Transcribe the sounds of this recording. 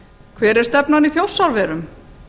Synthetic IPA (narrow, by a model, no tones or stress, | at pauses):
kʰvɛːɾɛ̥st̪ɛpnaniθjowsːaɾvɛːɾʏm